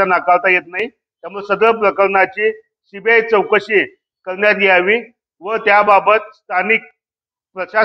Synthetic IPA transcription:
anakalt̪ajet̪naɦi | t̪jamuɭsəɡɭəp̬ɾəkəɾnat͡ɕe | ɕibajt͡səwkəɕe | kəɾnjat̪jeaʋi | ʋət̪jababət̪̚st̪ʰanik̚ | pɾəɕa

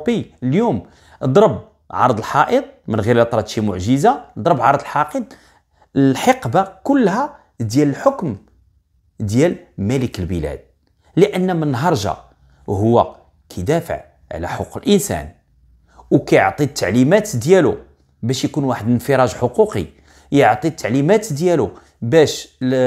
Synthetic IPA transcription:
bəljum | d̪ˤɾˤəb̚ | ʕɑ̰ɾˤd̪əlħɑʔət̪̚ˤmənɣiɾlt̪ˤɾˤɑt̪ʒimʊʕʒəzad̪ˤɾˤəbʕɑɾˤd̪əlħɑʔəd̪ˤ | lħɑqbakʊlːhæ | d̪jæləlħokm | d̪jælmæləkəlbəlæ̰d̪̥̚ | liʔənːmənːɦɑɾˤʒɑ̰ | ɦʊwːæ̰ | kʰæjd̪æfə̰ʕ | ʕ̰læ̰ħoqːəlʔənsæ̰n | wkæjoʕt̪ˤit̪ʰːaʕlimæt̪d̪jælu | bæʃjkunwaħəd̪ənfiɾˤɑʒħoquqḭ | jəʕt̪ˤit̪ʰːaʕlimæt̪d̪jælu | bæʃ

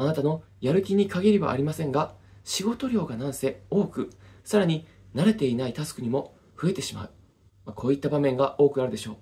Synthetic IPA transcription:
anat̪ano̞ | jaɾɯ̟kʲiɲ̟ikaɡʲeɾʲeβa̰ʔːɾʲimasẽ̞ŋɡaɕiɡo̞t̪o̞ɾʲo̞ːɡanãɰ̃se̞o̞ːkɯ̟saɾaɲ̟i | naɾe̞t̪e̞inait̪asɨ̥kɯ̟ɲ̟imo̞ | ɸɯ̟e̞t̪e̞ɕima̰ɯ̟ | makʰo̞ːit̪ːabamẽ̞ŋɡaʔo̞ːkɯaɾɯ̟d̪e̞ɕo̞ː

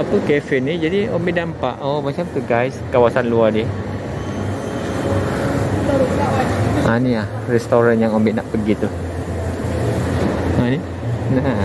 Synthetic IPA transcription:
apəkɛfɛnid͡ʒadiombiʔdampa̰ʔomat͡ʃamt̪uɡajskawasanluadiə | awaʔanilahrɛst̪oɾanjaŋombɛʔnaʔpəɡit̪u | ani | na

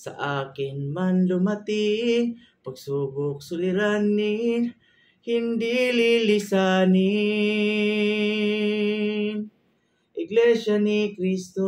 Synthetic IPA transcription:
sa̰ʔaːkɪnmanlʊmat̪ɪ | paɡsubʊk̚sʊlɪɾanːi | hɪnd̪ililɪsani | ʔɪɡlɛʃanikɾist̪o

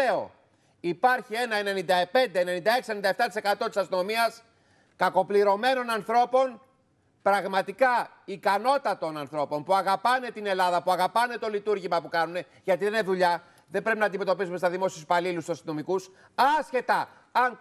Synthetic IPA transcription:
eo̞̰ | ipɐɾçie̞nɐene̞nind̪ɐpe̞nd̪e̞ne̞nind̪ɐe̞ksienind̪ɐeft̪ɐt̪ise̞kɐt̪o̞t̪i̥sɐst̪ino̞miɐs | kɐko̞pliɾo̞me̞no̞nɐnθɾo̞po̞n | pɾɐɣmɐt̪ikɐ | ikɐno̞t̪ɐt̪o̞nɐnθɾo̞po̞npuɐɣɐpɐne̞t̪ine̞lɐðɐpuɐɣɐpɐne̞t̪o̞lit̪uɾʝimɐpukɐnune̞ | ʝɐt̪iðenieneðuʎɐ | ðe̞mbɾepinɐnd̪ime̞t̪o̞pisumest̪ɐðimo̞siouspɐlilust̪usɐst̪ino̞mikus | ɐsçe̞t̪ɐ | ɐn

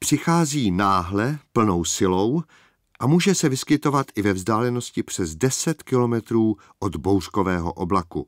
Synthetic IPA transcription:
pr̝̥ɪxaːziːnaːɦlɛpl̩no̞wsɪlo̞w | ʔamuːʒɛsɛvɪskɪt̪o̞vat̪ʔɪvɛvzdaːlɛno̞scɪpr̝̥ɛzdɛsɛt̪kɪlo̞mɛt̪ɾuː | ʔod̪bowrko̞vɛːɦo̰ʔoblakṵ

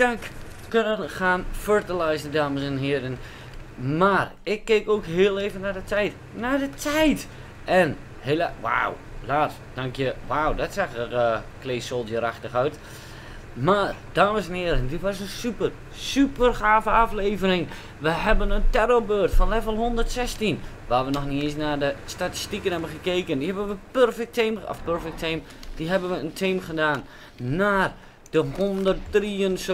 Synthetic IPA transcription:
dak | kønənxaːnførtəlajzəndaːməsɛnɦɪəɾən | mar | ɪkːeːkoːkɦɪəlˠeːvənadətʰɛjt | nadətʰɛjt | ʔɛn | helwa̰wlaːt | d̥aŋkjəwawdɔtsaxəkleːsolˠdjəɾaxtəxœɥt | mard̥aːməsɛnɪəɾəndɪtʋɔs̬ənsypər | sypərxaːvəafleːvərɪŋ | ʋəɦɛbənəntɛɾobøːrtfɔnlɛvəlˠɦondərtsɛstin | ʋaːʋənɔxniesnadəstati̥stikənhɛbənχəkeːkəndihɛbənʋəpørfɛk̚tʰemɔ̰fpøɹfɛk̚tʰem | d̥iɦɛbənʋəəntʰiːmχədaːnː | aːr | d̥əhondərt̚riəns

